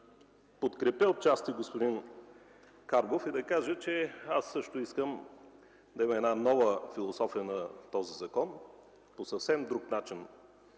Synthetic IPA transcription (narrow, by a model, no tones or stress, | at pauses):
pot̪kɾɛpʲəot̪̚t͡ʃast̪iɡospod̪in | kaɾbofid̪ɐkaʒət͡ʃɛasːɤʃt̪ʊiskəm | d̪ɐimɛɛd̪nanɔvəfilˠosɔfijənɐt̪ɔzizɐkɔn | posɐfsɛmd̪ɾuknat͡ʃin